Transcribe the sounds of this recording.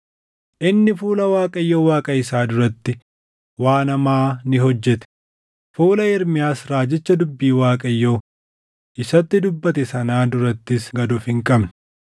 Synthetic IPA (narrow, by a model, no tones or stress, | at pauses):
ʔɪnːɪfuːlɐwaːkʼɐjːoːwaːkʼɐɪsaːd̪ʊɾɐt̪ːɪ | waːnɐmaːnɪɦɔd͡ʒːɛt̪ɛ̥ | fuːlɐɪɾmɪjaːsɾaːd͡ʒɛt͡ʃːɐd̪ʊbːiːwaːkʼɐjːoː | ʔɪsɐt̪ːɪd̪ʊbːɐt̪ɛsɐnaːd̪ʊɾɐt̪ːɪsɡɐd̪ʊfɪŋkʼɐbnɐ̥